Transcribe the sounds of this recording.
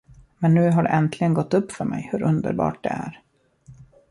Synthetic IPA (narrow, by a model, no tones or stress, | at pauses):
mɛnːʉ̟ːɦaɖɛ̰ʔɛnt̪ʰlɪɡənɡɔt̪ːɵpːfœɾmɛ̰jhɵɾʔɵnd̪ə̰ɾbɑ̰ːʈ̚d̪ɛ̰æɾ